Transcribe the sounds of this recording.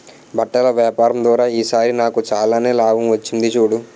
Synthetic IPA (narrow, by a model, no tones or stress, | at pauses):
bʱɐʈːɐlɐʋjaːpaːɾɐmd̪ʋaːɾaːiːsaːɾinaːkut͡ʃaːlaːneːlaːɡʱɐmʋɐt͡ʃːind̪it͡ʃuːɽu